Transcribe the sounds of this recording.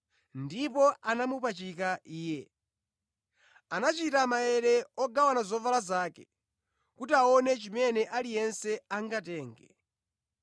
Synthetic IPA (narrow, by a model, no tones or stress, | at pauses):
ndipɔanamupat͡ʃikaʔiːjɛ | anat͡ʃitamajɛɾɛɔɡawanazɔvalazaːkɛ | kutiaɔnɛt͡ʃimɛnɛʔalijɛnsɛaŋɡatɛːŋɡɛ